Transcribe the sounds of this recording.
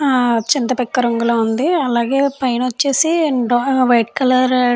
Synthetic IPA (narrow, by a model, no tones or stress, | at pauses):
t͡ʃint̪ɐpɛkːɐɾɐŋɡuloːund̪iɐlaːɡe̞ːpɐjnɐt͡ʃːe̞ːsiɖʋɐjʈkɐlɐɾ